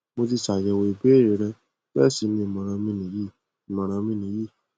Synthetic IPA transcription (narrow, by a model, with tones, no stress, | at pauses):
mo˧ti˧sa˨jɛ˧˨we˧i˨be˦˨ɾe˨˦ɾɛ̃˧ | bɛ˦˨si˨˦nĩ˧˦i˨mã˨˧ɾ̃ã˧mĩ˧˦nĩ˨˦ji˦˨ | i˨mã˨ɾ̃ã˧mĩ˧nĩ˨˦ji˦˨